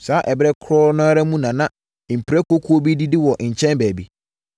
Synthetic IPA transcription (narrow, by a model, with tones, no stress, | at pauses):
saː˨˦ʔɛ˨bɛ˦kʰɾɔ˦nãː˦ɾɛ˦mũ˦nã˨nã˦˨ | m̩˨pʰi˨ɾɛ˦kʰo˦kʰu˦o˦bi˦di˦dɪ˦wɔ˨ʔɲ̩˨t͡ɕʰɛ̃˦nbæː˨bi˦